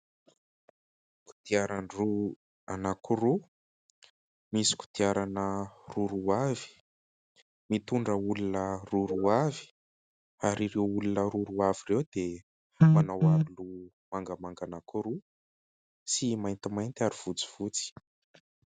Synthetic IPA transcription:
ku̥t̪iaɾanru | anakuɾu | misi̥ku̥t̪iaɾanəruɾuavi̥ | mit̪uɳɖ͡ʐəulunəruɾuavi̥ | aɾiɾewulunəɾuɾuavirewd̪e | manawaɾulu | maŋɡəmaŋɡanakuɾu | simajnt̪imajnt̪aɾiv̥ut͡si̥v̥ut͡si̥

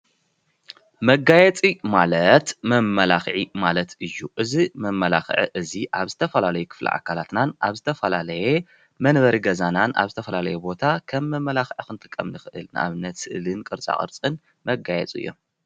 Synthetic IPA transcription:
mɐɡajɛt͡sʼimalɐt̪mɐmːɐlaxʕimalɐt̪ʰɨjːuʔɨzimɐmːɐla̰xʕḭʔɨziʔaβzɨt̪ʰɐfɐlalɐjukʰɨ̥flḭʔa̰kʰalat̪nanʔaβzɨt̪ʰɐfɐlalɐje | mɐnβɐɾiɡɐzananʔa̰βzɨt̪ʰɐfɐlalɐjebo̞t̪ʰakʰɐmːɐmːɐlaxʕixɨnt̪ʰɨ̥kʼːɐmnɨxɨʔɨ̰lnʔa̰βɨnːɐt̪sɨʔlɨnkʼɨɾt͡sʼa̰χʼɨ̰ɾt͡sʼɨn | mɐɡajɛ̰t͡sʼɨ̰jːo̞̰m

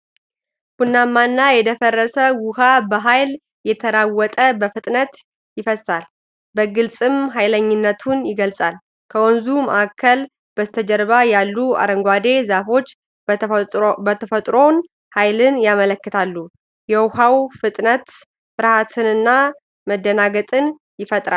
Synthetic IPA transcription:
hunːamːanːajɛd̪əfərːəsəwʊhabəɦajl | jɛt̪ʰəɾawːɔt̪ʼəbəfɨt̪ʼnət̪ | jɪfəsal | bəɡɨlsʼɨmɦajləɲːɪnːət̪ʰunjɪɡəlsʼal | kʰəwɔnzumə̰ʔakʰːəl | b̥əzt̪ʰəd͡ʒəɾβajalːua̰ɾəŋɡʷad̪e̞zafo̞t͡ʃː | bət̪ʰəfət̪ʼɾo̞n | hajlɨnjamələkːɨt̪ʰalːu | jɛwhawfɨt̪ʼnət̪ | fɨɾhat̪ʰɨnɨnːa | məd̪ːənaɡət̪ʼɨn | jɪfət̪ʼɾa

